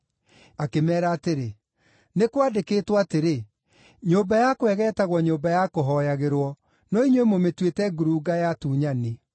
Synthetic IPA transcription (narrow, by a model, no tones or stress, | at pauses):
akemɛːɾaːteɾe | nekwadekeːtwateɾe | ɲoːmbajakwɛɣɛːtaɣwɔɲoːmbajakoɦɔjaɣeɾwɔ | nɔiɲwemometwetɛɡuɾuːɡajatuːɲane